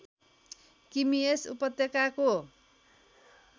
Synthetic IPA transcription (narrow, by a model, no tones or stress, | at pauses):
kimiesṵpʌt̪ːekako